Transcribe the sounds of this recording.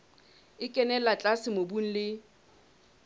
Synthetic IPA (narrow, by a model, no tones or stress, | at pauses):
ɪkʼɛnɛlat͡ɬʼasɪmobun̩lɪ